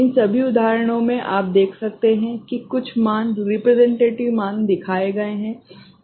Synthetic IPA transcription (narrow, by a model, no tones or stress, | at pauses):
ɪ̃nsɐbʱiʊd̪aːɾəɽ̃õmẽʔaːp̚d̪eːkʰsɐk̚t̪eɦɛ̃kikʊt͡ʃʰmaːnɾɪpɾɛzɛ̃ɳʈeːʈɪʋmãːnd̪ɪkʰaːeɡɐeɦɛ̃ː